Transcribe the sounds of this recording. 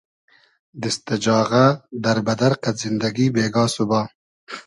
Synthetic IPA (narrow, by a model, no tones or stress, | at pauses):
d̪ɪst̪ɪd͡ʒɑːɣad̪ɐɾbɐd̪ɐɾqazɪnd̪aɡibeːɡɑːsubɑː